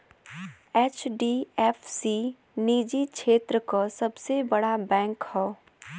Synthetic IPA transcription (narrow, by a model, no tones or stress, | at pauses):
ɛːt͡ʃɖiɛːfsi | niːd͡ʒikʃeːt̪ɾəkasɐbsebɐɽabɛ̃ːŋkhɛː